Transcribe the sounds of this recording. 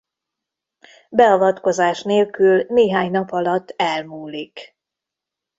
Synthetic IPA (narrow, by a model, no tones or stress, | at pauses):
bɛɒvɒt̪ko̞zaːʃneːlkylneːɦaːɲnɒpɒlɒt̪ːɛlmuːlik